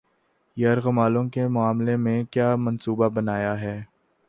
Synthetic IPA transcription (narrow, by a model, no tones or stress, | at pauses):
jɐɾɣɐmaːlõkemʊaːmlemẽkjaːmɐnsuːbabɐnaːjaɦɛː